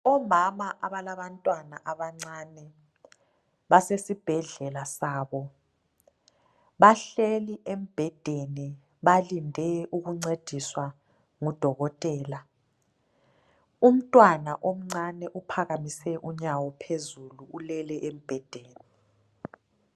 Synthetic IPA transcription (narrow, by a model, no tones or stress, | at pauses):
ɔmamaʔaβalaβantʼwanaʔaβaŋ͡ǀanɛ | βasesib̥ʱɛɮɛlasaːβɔ | βaɬeliʔem̩b̥ʱɛd̥ʱeni | βalindʱɛʔuɣuŋ͡ǀed̥ʱiswa | ŋud̥ʱɔɣɔtʼɛːla | um̩tʼwanaʔom̩ŋ͡ǀanɛʔupʰaɣamisɛʔuɲawɔpʰezuluulɛlɛʔem̩b̥ʱɛd̥ʱeːni